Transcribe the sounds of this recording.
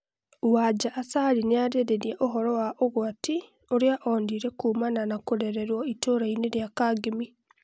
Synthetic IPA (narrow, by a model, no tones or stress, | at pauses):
wad͡ʒaʔːsaɾineaɾeɾeɾieʔoɦɔɾɔwaʔoɣwati | oɾjaʔoːndiːɾekuːmananakoɾeɾeɾwɔitoːɾaineɾjakaɡemi